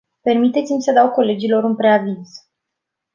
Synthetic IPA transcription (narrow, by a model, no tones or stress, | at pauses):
pe̞rmit̪e̞t̪simʲsəd̪awko̞le̞d͡ʒilo̞ɾɨnpɾe̞avinz